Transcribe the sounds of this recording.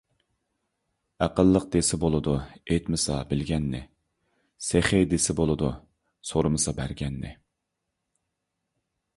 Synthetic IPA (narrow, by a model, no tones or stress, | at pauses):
æqəlˠːəq̚d̪esɪbolˠɨd̪uejt̪mɪsɑbɪlɡʲɛnːɪ̰ | seχɪd̪esɪbolˠɨd̪u | soɾmɨsɑbæɾɡʲɛnːɪ̰